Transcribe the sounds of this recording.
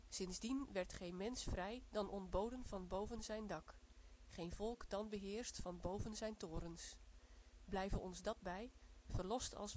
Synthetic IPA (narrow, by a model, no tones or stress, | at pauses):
sɪnzdinʋɛɹtχejnmɛnsfrɛjdɑnʔɔndbowdənv̥ɑnbowvənzɛjndɑkχejnvɔlˠkdɑnbəɦɪːɹstfɑnbowvənzɛjntoːɾəns | blɛjvənɔnzdɑt̚bɛjv̥ərlɔstɑ̰lˠs